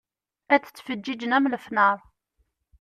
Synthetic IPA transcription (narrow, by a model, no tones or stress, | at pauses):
æt͡sːə̥t͡sːfəd͡ʒːid͡ʒənæmləfnəɾˤ